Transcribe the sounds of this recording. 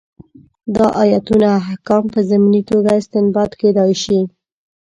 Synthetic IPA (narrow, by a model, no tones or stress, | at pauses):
d̪ɑʔɑjat̪unaːhkɑmpəzaminit̪oɡaɪst̪ɪnbɑt̪ked̪ɑjʃi